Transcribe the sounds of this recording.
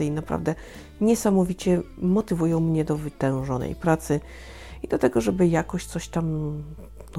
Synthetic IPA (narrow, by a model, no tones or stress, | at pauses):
ɨinapɾa̰vd̪ɛ | ɲɛsamɔvʲit͡ɕɛmɔt̪ɘvujɔ̃w̃mɲɛd̪ɔvɘt̪ɛ̃w̃ʐɔnɛ̰jpɾat̪sɘ | id̪lat̪ɛɡɔʐɛbɘjakɔɕt̪sɔɕt̪am | n